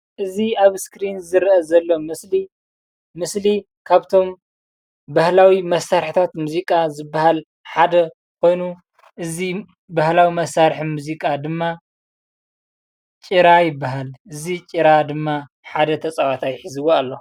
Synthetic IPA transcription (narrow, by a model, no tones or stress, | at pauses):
ʔɨziaβskɾinzɨɾʔɐzɐlːomɨsli | mɨsli | kʰaβt̪ʰo̞m | bahlawimɐsːaɾħit̪ʰat̪muzikʼazɨbːahal | ħad̪ɐ | kʰo̞jnu | ʔɨzi | bahlawimɐsːaɾħɨnmuzikʼad̪ɨmːa | t͡ʃʼɨɾajɪbːaɦalʔɨzit͡ʃʼɨɾad̪ɨmːa | ħad̪ɐt̪ʰɐt͡sʼawat̪ʰajħizɨwoalːo